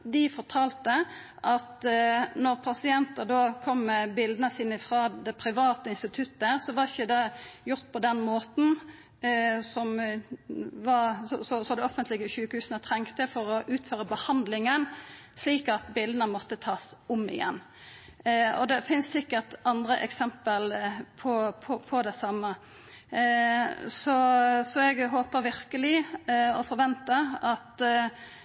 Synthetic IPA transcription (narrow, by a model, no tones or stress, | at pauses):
d̪ɪfɔʁt̪ʰɑːlt̪ə | ʔɑt̪nɔʁpʰɑsɪɛnt̪əʁd̪oːkʰɔmːɛbɪld̪ənəsiːnəɪfʁɑːd̪ɛpʰɾɪʋɑːt̪əɪnst̪ɪt̪ʰʉt̪ːədəʁsɔʋɑɪçːəd̪ɛjʊʁt̪̚pʰɔd̪ɛnmoːt̪n̩ | sɔm | ʋɑsɔsɔsɔd̪ɛɔfənt̪lɪɡəʃʉːkəhʉːsənət̪ʰɾɛŋkt̪əfɔɾɔʔʉːt̪føːʁəbəhɑnd̪lɪŋən | sliːkɑt̪bɪld̪ənəmɔt̪ːət̪ʰɑːsʊmɪ̰jɛ̰nː | ɔ̰d̪ɛfɪnssɪkːəʁt̪ɑnd̪ɾəʔɛksɛmpəlpʰɔpʰɔpʰɔd̪ɛsɑmːə | sɔsɔɛɡɦoːpəɾʋɪɾkəlɪɔfɔɾʋɛnt̪əɑt̪